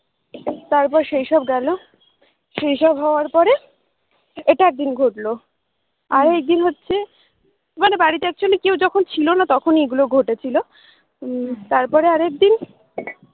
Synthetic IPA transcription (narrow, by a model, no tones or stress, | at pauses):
t̪aɾpɔɾʃejʃɔbɡɛlo | ʃejʃɔbɦɔoaɾpɔɾe | eʈaɛk̚d̪inɡʱoʈlo | aɾek̚d̪inɦotːɕʰe | manebaɽit̪eɛk̚t͡ɕʰolekewd͡ʑɔkʰont͡ɕʰilonat̪ɔkʰonieɡuloɡʱoʈet͡ɕʰilo | t̪aɾpɔɾeaɾek̚d̪in